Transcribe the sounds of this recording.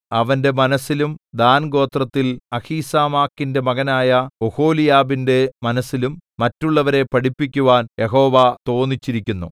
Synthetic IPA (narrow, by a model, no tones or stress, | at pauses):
ɐʋɐnde̞mɐnɐsːilumd̪aːnɡo̞ːt̪rɐt̪ːilɐhiːsaːmaːkːinde̞mɐɣɐnaːjɐoho̞ːlijaːbinde̞mɐnɐsːilumːɐtːuɭːɐʋɐɾe̞pɐɽipːikʲːuʋaːnjʔe̞ɦo̞ːʋat̪o̞ːnːit͡ɕːiɾikʲːunːṵ